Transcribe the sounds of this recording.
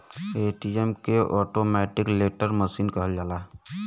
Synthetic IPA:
eʈiemkeʔɔːʈomɛʈɪkleʈəɾməsiːnkəɦəld͡ʒaːla

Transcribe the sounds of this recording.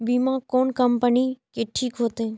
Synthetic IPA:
biːmãːkoːnkəmpəniːkeʈʰiːkɦoːt̪ẽː

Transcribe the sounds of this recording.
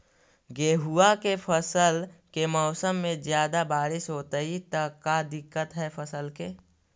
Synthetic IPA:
ɡeːɦuakepʰəsəlkemɔːsəmːẽzjaːd̪abaːɾɪʃɦoːt̪əɦit̪ɐkːad̪ɪkːət̪ɦɛpʰəsəlkeː

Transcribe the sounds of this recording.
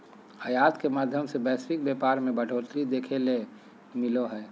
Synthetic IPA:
əjaːt̪kemaːd̪ʱjəmsebɛːsɾɪk̚beːpaːɾmẽbəɖʱoːt̪ɾid̪eːkʰele | mɪloɦɛː

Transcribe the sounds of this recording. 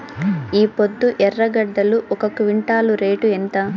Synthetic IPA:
iːpod̪ːuʔɛrːɐɡɐɖːɐluʔɔkɐkʋiɳʈaːluɾe̞ːʈuent̪ɐ

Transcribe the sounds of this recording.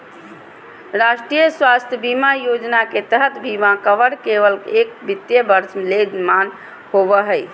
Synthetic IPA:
ɾasʈɾijəswast̪ʰjəbimajod͡ʒnaket̪əɦət̪bʱimakəʋəɽkebəlkeːk̚bit̪jəbəɾsmeled͡ʒman | hobəɦəj

